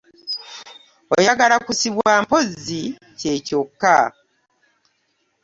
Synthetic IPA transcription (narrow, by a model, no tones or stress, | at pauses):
ojaɡalakusiβwaːmpo̞zi | ce̞ːco̞kːa